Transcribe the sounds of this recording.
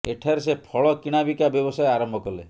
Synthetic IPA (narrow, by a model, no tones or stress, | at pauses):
eʈʰaɾesepʰɔɭɔkiɽ̃abikabjɔbɔsajeaɾɔmbʱɔkɔlḛ